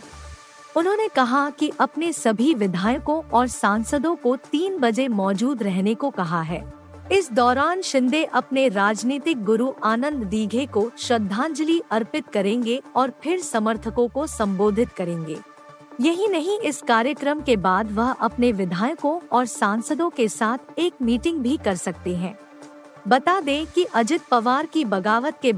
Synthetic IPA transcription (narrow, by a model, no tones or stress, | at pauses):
ʊnɦõːnekɐɦakiʔɐpnesɐbʱiʋɪd̪ʱaːjəkõʔɔːɾsãːnsəd̪õkot̪iːnbɐd͡ʒemɔːd͡ʒuːd̪ɾɛɦnekokɐɦaɦɛ̰ː | ɪsd̪ɔːɾaːnʃɪ̃nd̪ʱeʔɐpneɾaːd͡ʒniːt̪ɪk̚ɡʊɾuʔaːnə̃nd̪d̪iːɡʱekoʃɾɐd̪ʱːãːnd͡ʒəliʔɐɾpɪt̪kɐɾẽːŋɡeɔːɾpʰɪɾsɐməɾt̪ʰəkõkosɐ̃mboːd̪ʱɪt̪kɐɾẽːŋɡḛː | jɐɦinɐɦĩʔɪskaːɾjəkɾəmkebaːd̪ʋɐɦɐpneʋɪd̪ʱaːjəkõɔːɾsãːnsəd̪õkesaːt̪ʰeːk̚miːʈɪ̃ŋɡ̚bʱikɐɾsɐk̚t̪eɦɛ̃ː | bɐt̪ad̪ẽːkiʔɐd͡ʒɪt̪̚pɐʋaːɾkibɐɡaːʋət̪̚ke